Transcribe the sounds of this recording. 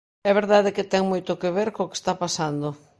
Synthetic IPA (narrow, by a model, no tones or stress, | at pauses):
ɛβeɾðaðɪkɪt̪ɛŋmojt̪okeβeɾkooke̥st̪apasand̪o